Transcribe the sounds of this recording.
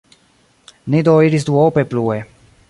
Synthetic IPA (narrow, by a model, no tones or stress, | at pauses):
nid̪oːiɾisd̪uɔpeplue